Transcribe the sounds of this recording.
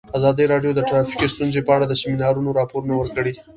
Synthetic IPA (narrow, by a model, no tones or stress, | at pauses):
azɑd̪əɾɑɖjod̪əʈɾɑfi̥kist̪unzepəaɽad̪əsɪmɪnɑɾunoɾɑpoɾunawəɾkəɽi